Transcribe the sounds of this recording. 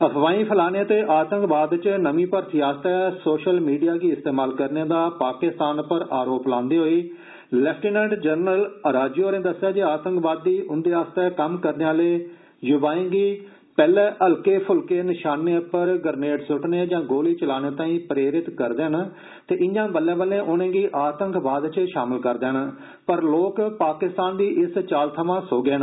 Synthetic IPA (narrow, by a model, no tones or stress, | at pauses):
əpʰʋaːĩːpʰəlaːneːt̪eːʔaːt̪ə̃ŋkbaːd̪t͡ʃnəmĩːpəɾt̪iːaːst̪ɛːsoːʃəlmiːɖijaːɡiːɪst̪eːmaːlkəɾneːd̪aːpaːkɪst̪aːnpəɾʔaːɾoːplãːnd̪eːɦoːiː | lɛːpʰʈiːnɛ̃ːɳɖd͡ʒəɾnələɾaːd͡ʒoːɾẽːd̪əsːjaːd͡ʒeːaːt̪əŋkbaːd̪ːiːʔʊnd̪eːaːst̪ɛːkəmkəɾneaːleː | jʊbaːẽːɡiː | pɛːlɛ̃ːʔəlkeːpʰʊlkeːnɪʃaːnːepəɾɡəɾneːʈsʊʈneːd͡ʒãːɡoːliːt͡ʃəlaːneːt̪ãːĩːpɾeːɾɪt̪kəɾd̪eːən | t̪eːʔɪɲjãːbəlːẽːbəlːẽːʔʊnẽːɡiːʔaːt̪əŋkbaːd̪t͡ʃʃaːmɪlkəɾd̪eːɦən | pəɾloːkpaːkɪst̪aːnd̪iːʔɪst͡ʃaːlt̪ʰəʋãːsoːɡeːən